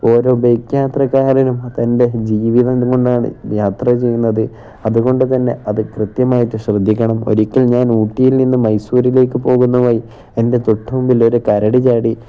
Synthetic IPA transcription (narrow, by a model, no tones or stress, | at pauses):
o̞ːɾo̞ːbejkjaːt̪rɐkaːɾɐnumt̪ɐnde̞d͡ʑiːʋiðɐko̞ɳɖaːɳɨ̰jaːt̪rɐt͡ɕe̞jːunːɐðɨ | ɐðuɣo̞ɳɖɨt̪ɐnːe̞̰ɐðɨkrɨt̪jɐmaːjiʈːɨɕrɨd̪ʱːikʲːɐɳɐmo̞̰ɾikʲːɐlɲaːnuːʈːijilninːɨmɐjsuːɾile̞ːkːɨpo̞ːɣunːuʋoːji | ende̞t̪uʈːɐmumbilo̞ɾukɐɾɐɽit͡ɕaːɽi